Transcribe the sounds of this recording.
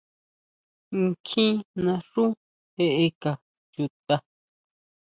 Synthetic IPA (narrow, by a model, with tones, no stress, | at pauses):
ŋ̩˧kʰĩ˦nã˧ʂũ˦ | he˧ʔe˧ka˨ | ju˧t̪a˧